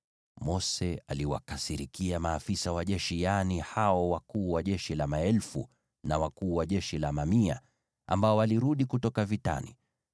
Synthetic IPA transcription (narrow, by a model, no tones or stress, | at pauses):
mɔsɛaliwa̰kasiɾikiamaːfisawaʄɛʃijanihaɔwakuːwaʄɛʃilamaɛlfṵ | nawakuːwaʄɛʃilamamia̰ | ʔa̰mbaɔwaliɾuɗikutɔkavita̰nḭ